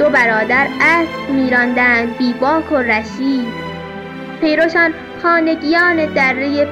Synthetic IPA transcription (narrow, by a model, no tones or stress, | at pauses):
d̪obæɾɒːd̪æɾæsmiːɾɒnd̪ænd̪biːbɒːkʰoɾæʃiːd̪ | pʰe̞jɾoʃɒːn | xɒːne̞ɡijɒːned̪ærːeje